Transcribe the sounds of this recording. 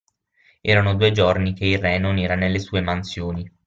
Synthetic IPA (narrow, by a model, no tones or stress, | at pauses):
ɛːɾanod̪uːed͡ʒornikeilrːɛnonɛːɾanelːesuːemansjoːni